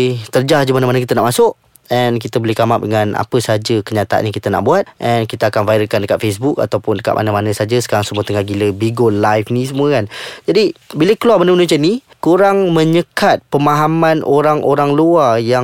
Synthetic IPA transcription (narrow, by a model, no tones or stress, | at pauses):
t̪ərd͡ʒahd͡ʒəmanamanəkit̪ənaʔmasʊʔ | ɛnk̬it̪əbəlɪhkamap̚dəŋana̰pəsad͡ʒəkəɲat̪aa̰nɲãkit̪əna̰ʔbuat̪̚ʔɛnkit̪əakanvaiɾəkandəkat̪̚fes̬buk̚a̰t̪awpʊndəka̰ʔ̪̚ma̰namanəsad͡ʒəsə̥kaɾaŋsəmuət̪əŋahɡiləbiɡolːajfnĩs̬əmũəkand͡ʒadibiləkəluaməndəmənusani | kuɾaŋmə̃ɲəkat̪̚pəmaɦamanʔoɾaŋʔoɾaŋluarjaŋ